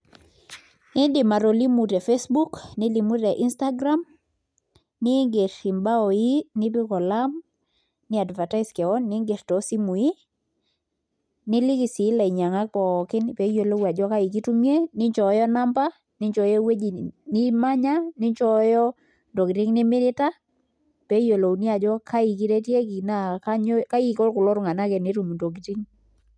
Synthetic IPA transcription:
ɪ˦ndɪ˨ma˨ɾo˨li˦mu˨tɛ˨fe˦sbu˦knɪ˦li˨mu˦tɛ˨ʔi˦nsta˦ɡɾa˦m | nɪ˦ŋɡe˨ɾi˨mba˦ɔ˨ji˦nɪ˦bɪ˦kɔ˨la˦m | nɪ˦a˨dva˨ta˦ɪ˦skɛ˨ɔ˦nːɪ˦ŋɡe˨ɾtɔ˨si˦mu˨i˦ | nɪ˦li˦ki˨si˨˦la˨i˨ɲa˨ŋa˦k̚pɔ˨kɪ˦npɛ˨jo˨lo˦wa˨d͡ʒɔ˦ka˦i˨ki˦tu˦mje˦nɪ˦ɲt͡ʃɔ˨˦jɔ˦na˦mba˦ | nɪ˦ɲt͡ʃɔ˨jɔ˦we˦d͡ʒi˨ni˦ma˦ɲa˦nɪ˦ɲt͡ʃɔ˦jɔ˦ | ndo˨ki˨ti˦ŋnɪ˦mɪ˦ɾɪ˦ta˦ | pɛ˦jo˨lo˨wni˦a˨d͡ʒɔ˦ka˦i˨ki˦ɾe˦tjɛ˦ki˨na˦ka˦ɲ˦ka˦ji˨kɔ˦lkʊ˨lɔ˦ɾʊ˦ŋa˨na˦kɛ˨ni˦tu˨m˨ndo˨k̬i˨ti˦ŋ

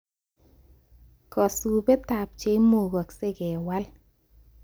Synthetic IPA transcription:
kɔ˨su˨be˦ta˨p̚t͡ʃe˦mo˨ɡɔ˨kse˦ɡɛ˨wa˦l

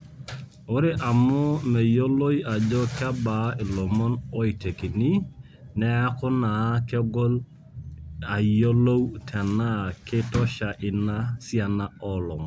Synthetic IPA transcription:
o˦ɾe˦ʔa˨mʊ˦me˨jo˦lo˦i˦a˨d͡ʒɔ˦kɪa˦ba˨˦ɪ˨lɔ˨mɔ˦nɔ˦i˨te˨ki˨ni˦ | nɛ˦a˦kʊ˦na˨˦ke˦ɡɔ˦l | a˨jo˦lo˦wtʰa˨na˦˨kɪ˦tɔ˦ʃa˨ʔɪ˨na˦sja˨na˦ɔ˦lɔ˨mɔ˨

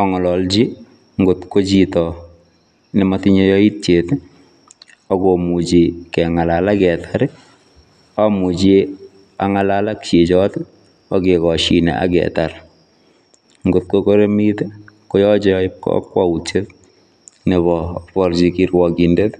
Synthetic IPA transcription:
ɔŋɔ˨lɔ˨lt͡ʃi˦ | ŋɡotko˦t͡ʃitɔ | nɪ˨mati˦ɲe˦jɔ˦i˦t̚t͡ʃet | ɔko˨mu˨t͡ʃikɛ˨ŋa˨la˨lakɛ˨tʰaɾe˦ | ɔ˦mu˨t͡ʃi | a˨ŋa˨lala˦kt͡ʃe˨t͡ʃɔt | ɔ˦ke˨kɔʃḭ˨nɛ̰˨ʔa̰˦kɛ̰˨ta˨ɾ | ŋɡo˨t̚koko˦ɾe˦mi˦te˦ko˦jɔ˦t͡ʃɪp̚kɔ̰˦kwau˨t͡ʃe˦t | nebɔpɔ˦ɾt͡ʃikiɾwɔki˨nde˦t

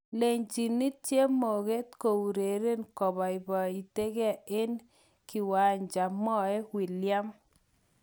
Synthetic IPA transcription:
le˨ɲt͡ʃi˨ni˦tt͡ʃje˦mo˨ɣe˦tko˨wu˨ɾe˨ɾe˦nkɔ˨bɔ˨i˨bɔ˨i˨te˦kɛ˦˨e˦n | ki˨wa˨ɲd͡ʒa˨mɔ˦e˦wi˨lja˦m

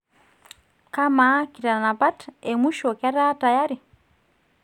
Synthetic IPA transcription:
ka˦ma˦ki˨ɾa˨na˨pa˦te˨mu˦ʃɔ˨ka˦ɾa˦ta˨ja˦ɾi˨

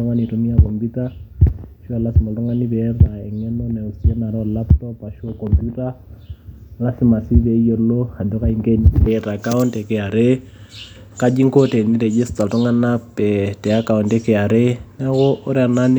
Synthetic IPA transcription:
ɔ˦ŋɡa˦ni˨tumi˦akɔ˨mbuta | ʃɔ˦a˨la˦si˨ma˨ltɔ˦ŋɡa˦niβɛɾaɛ˨ŋɛ˦nɔnɛ˨u˨si˨ɛ˦naɾɛ˦a˨laptɔpa˨ʃɔkɔmpjuta˦ | lasima˨siβɛ˨ijɔ˨lɔ˦ha˨dɔ˦kaiŋkɛnɛɾa˨ka˦untɛkɛa˨ɾe | ka˦d͡ʒi˦ŋkɔ˦tɛ˨ni˦ɾɛ˨d͡ʒɛ˦sta˨ltɔ˦ŋɡa˦napɛtɛ˨aka˨untɛ˦kɛa˨ɾɛnaɣɔ˦ʔɔ˦ɾɛa˨nan

